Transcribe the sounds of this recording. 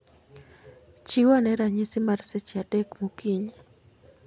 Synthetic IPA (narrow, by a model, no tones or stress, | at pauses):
t͡ʃiwanɛɾaɲisimarsɛt͡ʃiaɗɛkmukiɲa